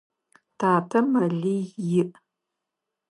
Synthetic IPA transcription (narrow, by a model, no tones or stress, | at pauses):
tʰaːtʰɐmɐɮiːjɪʔ